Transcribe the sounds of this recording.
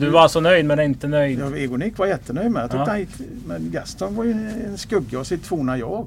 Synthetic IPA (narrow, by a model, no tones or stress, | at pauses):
d̪ɵvaalsɔnœjd̪mɛnɛɪnt̪ənœjd̪ɛɡʊnɪkːvajɛt̪ːənœjd̪mɛjɑt̪ʰːd̪anjɪkːmɛnɡɛst̪ɔnvɑjɛnskɵɡːaɔsɪt̪ʰːvuːnajɑːɡ